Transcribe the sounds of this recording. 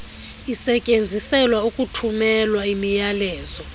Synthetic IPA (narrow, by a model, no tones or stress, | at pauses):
isɛcʼend͡zʱisɛlwaukʼutʰumɛlwaimijalɛːzɔ